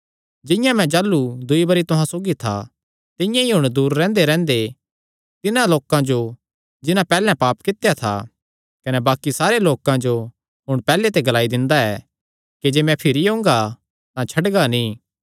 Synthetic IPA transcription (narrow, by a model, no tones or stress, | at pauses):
d͡ʒɪ̃jãmɛ̃d͡ʒaːlːud̪ʊibɐɾit̪ʊɦãsoːɡit̪ʰa̰ | t̪ɪ̃jãiɦʊɽ̃d̪uːɾːɛ̃ːnd̪eɾɛ̃ːnd̪e | t̪ɪnãloːkãd͡ʒo | d͡ʒɪnãpɛːlɛ̃paːpkɪt̪ːjat̪ʰa̰ | kɐnɛbaːkisaːɾeloːkãd͡ʒo | ɦʊɽ̃pɛːlet̪eɡɐlaːid̪ɪ̃nd̪aɛː | kid͡ʒeːmɛ̃pʰɪɾiɦõːŋɡa | t̪ãt͡ʃʰɐɖɡanĩː